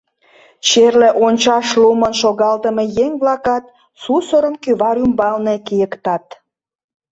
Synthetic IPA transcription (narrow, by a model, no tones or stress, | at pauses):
t͡ɕerleʔonʲt͡ɕɑʃlumənʃoɣɑlt̪əmejeŋβlɑkɑt̪ | susəɾəmkyβɑɾymbɑlnekijəkt̪ɑt̪̚